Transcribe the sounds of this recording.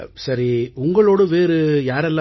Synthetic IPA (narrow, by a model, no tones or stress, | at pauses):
sɐɾiʊŋɡɐɭoːɽɯʋeːɾɯjaːɾɛlːã